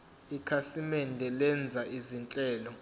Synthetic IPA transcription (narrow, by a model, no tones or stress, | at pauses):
ikʰasimɛndʱɛlɛnd͡zʱaʔizint͡ɬʼɛːlɔ